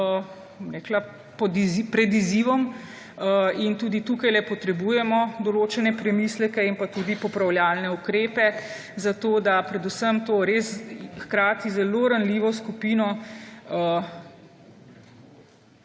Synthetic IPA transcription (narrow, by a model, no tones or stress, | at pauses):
bɔmɾɛːkla | pɔd̪ipɾɛd̪iziʋɔm | int̪uːd̪it̪uːkajlɛpɔt̪ɾɛbuːjɛmɔd̪ɔloːt͡ʃɛnɛpɾɛmislɛkɛinpat̪uːd̪ipɔpɾawljaːlnɛukɾeːpɛ | zat̪oːd̪apɾɛd̪usəmt̪oːɾeːsxkɾaːt̪izɛloɾanliːʋɔskupiːnɔ